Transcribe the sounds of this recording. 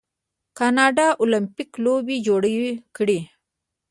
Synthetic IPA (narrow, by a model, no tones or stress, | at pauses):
kɑnɑɖɑʔolampiklobid͡ʒoɽawikɽi